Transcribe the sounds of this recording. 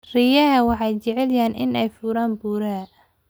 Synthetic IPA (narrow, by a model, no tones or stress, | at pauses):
rɪjɐɦɐwɑħɑjt͡ʃɛʕɛljaːnʔɪ̰nɛjfuːɾaːnbuːɾɐ